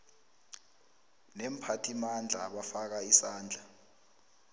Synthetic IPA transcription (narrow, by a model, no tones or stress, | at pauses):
nɛm̩pʰatʰimand͡ɮʱaɓafak̬aisaːnd͡ɮʱa